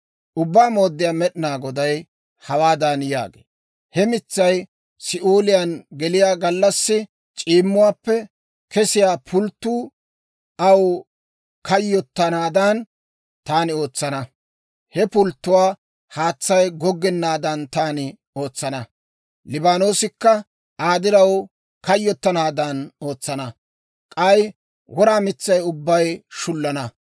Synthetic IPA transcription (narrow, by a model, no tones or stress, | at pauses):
ʔʊbːaːmo̞ːd̪ːɪjaːmɛɗɪnaːɡɔd̪ɐj | hɐwaːd̪ɐnja̰ːɡḛː | hɛmɪt͡sːɐj | sɪʔoːlɪjɐnɡɛlɪjaːɡɐlːɐsːɪ | t͡ʃʼiːmːʊwaːpːɛ | kɛsɪjaːpʰʊlt̪ːuː | ʔɐw | kɐjːɔt̪ːɐnaːd̪ɐn | t̪aːnɪo̞ːt͡sːɐnɐ | hɛpʊlt̪ːʊwaː | haːt͡sːɐjɡɔɡːɛnːaːd̪ɐnt̪aːnɪ | o̞ːt͡sːɐnɐ | lɪbaːno̞ːsɪkːɐ | aːd̪ɪɾɐw | kɐjːɔt̪ːɐnaːd̪ɐno̞ːt͡sːɐnɐ | kʼɐj | wɔɾaːmɪt͡sːɐjʊbːɐjʃʊlːɐnɐ